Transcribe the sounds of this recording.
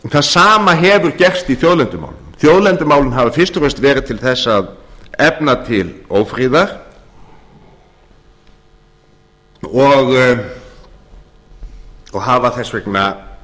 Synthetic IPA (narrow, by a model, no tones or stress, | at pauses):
θaðsaːmaɦɛvʏɾcɛr̥st̪iθjowðlɛnt̪ʏma̰ːwlʏmθjowðlɛnt̪ʏmaːwlʏnɦavafɪ̥st̪ʏɾɛst̪vɛːɾɪðt̪ʰɪlθɛsːaðɛpnat̪ʰɪloːwfɾiːðaɾ̥ | ɔɣ | ɔɣɦaːvaθɛsːvɛkna